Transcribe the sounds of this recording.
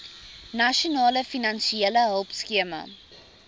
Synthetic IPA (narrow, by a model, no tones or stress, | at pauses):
naʃionɑːləfinɐnʃieləɦəlˠpskiəmə̰